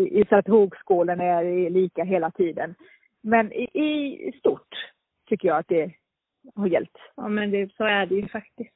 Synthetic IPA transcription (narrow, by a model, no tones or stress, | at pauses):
ʔɪsat̪hoːɡskuːlənæɾliːkaɦeːlat̪ʰiːd̪ən | mɛnɪ̰ʔɪst̪ʊʈʰː | ʏkːəjɑat̪̚d̪ɛ | haɾjɛ̰lpt̪sɑːmɛnd̪ɛsoæɖɛjɵfak̚t̪ɪst̪